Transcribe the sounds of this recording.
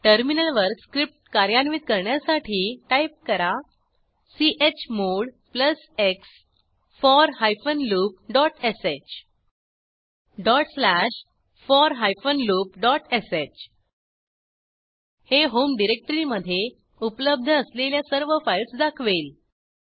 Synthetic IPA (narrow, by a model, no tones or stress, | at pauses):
ʈəɾminəlʋəɾskɾip̚ʈkaɾjanʋiːt̪̚kəɾɳjasaʈʰiːʈaip̚kəɾa | siʔet͡ɕmoɽ | pləs | eks | fɔɾɦajfənluːp̚ɖɔʈeset͡ɕ | ɖɔʈslæɕ | fɔɾɦajfənluːp̚ɖɔʈeset͡ɕ | heɦomɖiɾek̚ʈəɾiməd̪ʱːje | upləb̚d̪ʱəːsleljasəɾʋəfailsd̪akʰʋel